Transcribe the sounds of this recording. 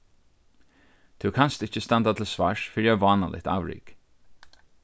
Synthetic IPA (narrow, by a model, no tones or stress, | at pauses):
t̪ʰʉwkʰanst̪ɪt͡ʃːəst̪ɛnt̪at̪ʰɪlsʋaʂfɪɾjaʋɑːna̰lʔɪ̰ht̪a̰wɾḭːk